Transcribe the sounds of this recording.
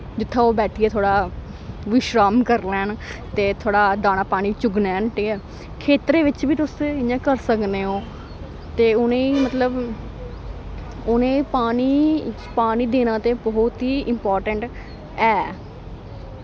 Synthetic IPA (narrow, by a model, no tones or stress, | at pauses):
d͡ʒɪt̪ʰːãːoːbɛːʈʰiɛːt̪ʰoːɽaː | ʋɪʃɾaːmkəɾlɛːnt̪eːt̪ʰoːɽaːd̪aːnaːpaːñiːt͡ʃʊɡnɛːnʈeːɛː | kʰeːt̪ɾeːʋɪt͡ʃbiːt̪ʊsɪãːkəɾsəkneːõː | t̪eːʊnẽːimət̪ləb | ʊnẽːpaːniː | paːniːd̪eːnãːt̪eːbɔːt̪ɦiːʔɪmpɔːɾʈəɳʈ | ɛː